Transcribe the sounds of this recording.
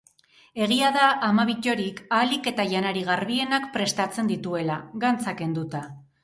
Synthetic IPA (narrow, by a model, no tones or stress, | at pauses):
e̞ɣ̞iaðaʔːmaβ̞iʎo̞ɾikalike̞t̪aʝanaɾiɣaɾβie̞nakpɾe̞st̪at͡se̞nd̪it̪ue̞laɡant͡sake̞nd̪ut̪a